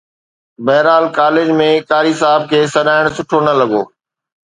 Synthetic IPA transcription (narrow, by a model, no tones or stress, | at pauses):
bɐːɾaːlkaːlɪd͡ʑmẽkaːɾisaːɪb̚kʰeːsɐɗaːɪɽ̃sʊʈʰonɐlɐɡo̰ː